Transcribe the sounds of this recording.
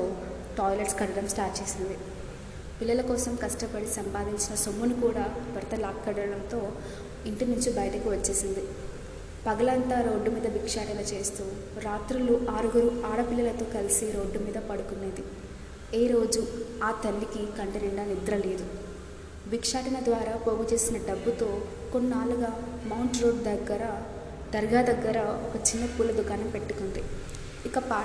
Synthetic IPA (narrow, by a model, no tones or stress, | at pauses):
t̪oː | ʈɔːjlɐʈskɐɽɐɾɐmsʈaːɾt͡ʃe̞ːsind̪i | pilːɐlɐkɔːsɐmkɐʂʈɐpɐɽisɐmpaːd̪iɲt͡ʃinɐsomːunikuːɽaːbɐɾɐt̪ɐlaːkːɐɽɐlɐlɐt̪o̞ː | iɳʈinuɲt͡ʃibɐjɐʈɐkiʋɐt͡ʃːe̞ːsind̪i | pɐɡɐlɐnt̪aːɾo̞ːɖːumiːd̪ɐbikʂaːʈɐɡɐt͡ʃe̞ːst̪uː | ɾaːt̪ɾuluʔaːɾuɡɐɾuaːɽɐpilːɐlɐt̪o̞ːkɐlisiɾo̞ːɖːumiːd̪ɐpɐɽukunːeːd̪i | eːɾo̞ːd͡ʒuaːt̪ɐlːikikɐɳʈɐnɛɳɖaːnid̪ɾɐle̞ːd̪u | bikʂaːʈɐnɐd̪ʋaːɾaːpo̞ːɡut͡ʃe̞ːsinɐɖɐbːut̪o̞ː | konːaːluɡaːmɐwɳʈɾo̞ːɖd̪ɐɡːɐɾɐ | d̪̥ɐɾɡaːd̪ɐɡːɐɾɐokɐt͡ʃinːɐpuːlːɐd̪ukaːnɐmpe̞ʈːukund̪i | ikɐpaː